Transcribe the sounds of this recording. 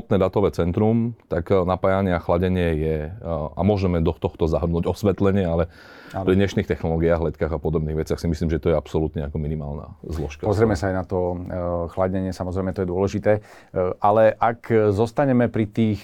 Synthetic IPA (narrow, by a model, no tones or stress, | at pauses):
p̪nɛːd̪at̪ɔʋɛːt͡sɛnt̪ɾumt̪aknapaːjaɲɪɛaxlaɟɛɲɪɛjɛa̰mʊɔʒɛmɛd̪ɔt̪ɔxt̪ɔzaɦr̩nuːɟɔsʋɛt̪lɛɲɪɛalɛ | pɾid̪ɲɛʃniːxt̪ɛxnɔlɔɡiaːɣlɛt̪kaːɣapɔd̪ɔbniːɣʋɛt͡sɪaxsimisliːmʒɛt̪ɔjɛapsɔlut̪ɲɛakɔminima̰ːlna̰ːzlɔ̰ʃkapɔzɾɛmɛsaajnat̪ɔxlaɟɛɲɪɛsamɔzɾɛɪmɛt̪ɔjɛd̪ʊɔlɛʒit̪ɛː | ʔalɛʔakzɔst̪aɲɛmɛpɾit̪iːx